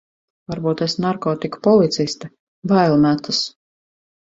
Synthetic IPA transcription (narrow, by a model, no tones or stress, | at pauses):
vaɾbuːt̪esnaɾkɔːt̪iku̥pɔlˠit̪sist̪e | vajlˠmæt̪ɨs